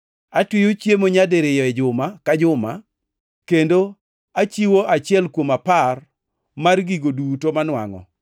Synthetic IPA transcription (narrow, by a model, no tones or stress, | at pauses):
atwijot͡ʃjemoɲadeɾɪjɔɛd͡ʒʊmakad͡ʒʊma̰ | kendo | at͡ʃiwoʔat͡ʃɪɛlkwomapar | marɡiɡodutomanwa̰ŋɔ̰